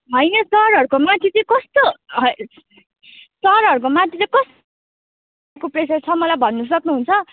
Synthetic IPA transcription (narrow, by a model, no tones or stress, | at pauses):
ɦʌjnʌsʌɾɦʌɾukomãt̪ʰit͡sʌ̃kʌst̪oʌ | stʌɾɦʌɾukomãt̪ʰit͡sʌkʌs | kopresʌt͡sʰʌmʌlajbʱʌnːʌs̬ʌknuɦunt͡sʰʌ